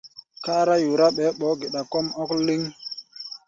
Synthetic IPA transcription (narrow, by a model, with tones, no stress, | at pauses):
kaː˦ɾa˦ju˨ɾa˦ɓɛ˨˦ɓɔ˨˦ɡe˨ɗa˨kɔ˦mɔ˦kli˦ŋ